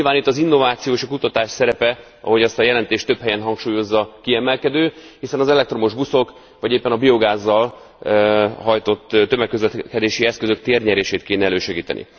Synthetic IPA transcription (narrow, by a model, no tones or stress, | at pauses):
ɲilvaːnit̪ːɒzinːo̞vaːt̪sijoːeʃɒkut̪ɒt̪aːʃsɛɾɛpɛ | ɒ̰ɦo̞ɟɛst̪ɒjɛlɛnt̪eːʃt̪ø̞pɦɛjɛnɦɒŋkʃuːjo̞zːɒkiɛmɛlkɛd̪øːhisɛnɒzɛlɛkt̪ro̞mo̞ʒbuso̞k | vɒɟeːpːɛnɒbio̞ɡaːzːɒl | ɦɒjt̪o̞t̪ːt̪ːømɛkːøzʋɛkɛd̪eːʃiɛskø̞zøkt̪eːrɲɛɾeːʃeːt̪keːnɛɛløːʃɛɡiːt̪ɛ̰nʔḭ